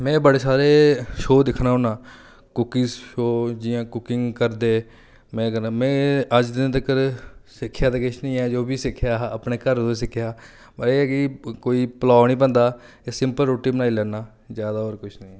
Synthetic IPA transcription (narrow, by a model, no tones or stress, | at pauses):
mɛ̃ːbəɽeːsaːɾeːʃoːd̪ɪkʰnaːʊnãː | kʊkɪzʃoːd͡ʒɪjãːkʊkɪŋɡkəɾd̪eː | mɛ̃ːkənaːmɛ̃ːəd͡ʒd̪ɪnt̪̬əkəɾsɪkʰːjaːt̪ekɪt͡ʃʰnĩːɛːd͡ʒoːbiːsɪkʰːjaːəpneːkəɾd̪õs̬ɪkʰjaː | pəɾeːkikoːiːpəlaːnĩːbə̃nd̪aː | eːsɪmpəlɾoːʈiːbənaːiːlɛːnaː | zjaːd̪aːoːɾkʊt͡ʃʰnĩːɛ